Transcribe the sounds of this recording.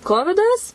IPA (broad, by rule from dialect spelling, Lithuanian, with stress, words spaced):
ˈkoːʋʲɪdɐs